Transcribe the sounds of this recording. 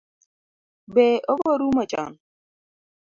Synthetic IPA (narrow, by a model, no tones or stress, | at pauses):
beʔoboɾumat͡ʃa̰n